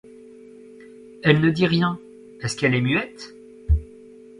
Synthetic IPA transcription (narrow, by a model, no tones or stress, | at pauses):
ɛlnəd̪iʁjɛ̃ | ɛskɛlɛmyɛt̪